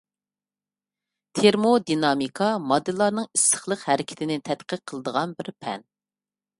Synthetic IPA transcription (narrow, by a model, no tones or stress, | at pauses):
t̪ʰeɾmod̪inɑmikʰɑmɑd̪ɨlˠːɑɾnɨŋisə̥χlˠəqhɛɾɪkʲʰɪ̥t̪ʰɪnɪt̪ʰɛt̪qʰəɾqʰːəlˠəd̪əʁɑnbɪɾpʰɛ̰n